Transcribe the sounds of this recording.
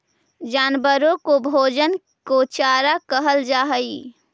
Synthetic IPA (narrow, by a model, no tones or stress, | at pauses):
d͡ʒanbəɾokobʱod͡ʒən | kot͡ʃaɾakəɦəld͡ʒaɦəj